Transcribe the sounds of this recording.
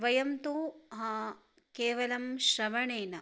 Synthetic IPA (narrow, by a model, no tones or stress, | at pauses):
ʋɐjɐmt̪uɦɐ̃ | keːʋɐlɐmʃɾɐʋɐɳeːnɐ